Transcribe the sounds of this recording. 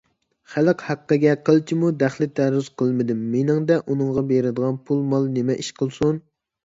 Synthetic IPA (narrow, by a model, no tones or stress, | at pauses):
χæləqhæqːəɡʲɛqʰəlˠt͡ʃʰimud̪æχlɪt̪ʰæɾyz̥qʰəlˠmɪd̪ɪmːenɪŋd̪ɛʔunɨŋʁɑbeɾɪd̪əʁɑnpʰulˠmɑlˠnɪmɛʔiʃqʰəlˠsun